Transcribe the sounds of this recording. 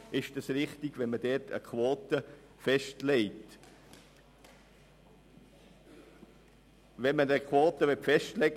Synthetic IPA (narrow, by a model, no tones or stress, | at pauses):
ɪʃd̥ɑsɾɪχtɪɡ̥vɛnmədɛɾtʰə̰kʰʋoːtə | fɛʃtlɛɪt | vɛnmənəkʰwoːtəʋɛtfɛʃtlɛɡ